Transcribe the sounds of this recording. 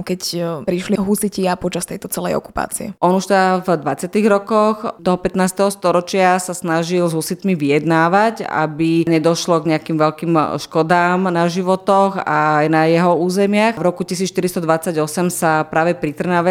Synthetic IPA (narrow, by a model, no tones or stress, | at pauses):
kɛcpɾiʃliɦusiciapɔt͡ʃast̪ɛjt̪ɔt͡sɛlɛ̰jɔ̰ku̥pa̰ːt͡siɛ̰ʔɔnuʃt̪ɛd̪avd̪ʋat͡sɪat̪iɣɾɔkɔxt̪ɔɦɔpɛt̪naːst̪ɛɦɔst̪ɔɾɔt͡ʃɪasasnaʒilzɦusit̪miʋijɛd̪naːʋaca̰biɲɛd̪ɔʃlɔɡɲɛakimʋɛʎkiːmʃkɔd̪aːmnaʒiʋɔt̪ɔxajnajɛɦɔuːzɛmɪaxvɾɔkucisiːt͡sʃt̪iɾist̪ɔd̪ʋat͡sːaɟɔsɛmsapɾaːʋɛpɾit̪r̩naʋɛ